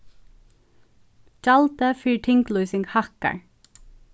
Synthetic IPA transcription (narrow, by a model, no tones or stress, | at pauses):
d͡ʒɑlt̪əfiːʈʰɪŋkluːsɪŋɡhɑkə̰ɹ